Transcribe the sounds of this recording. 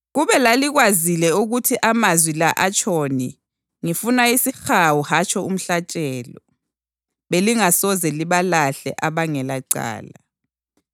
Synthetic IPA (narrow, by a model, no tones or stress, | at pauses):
ɣuβɛlaliɣwazilɛuɣutʰiʔamazwilaʔat͡ʃʼʰɔni | ŋifunaisixawuhat͡ʃʰʼɔum̩ɬat͡ʃʼɛːlɔ | βeliŋasɔzɛliβalaɬɛ̰ʔaβaŋɛlaǀa̰ːla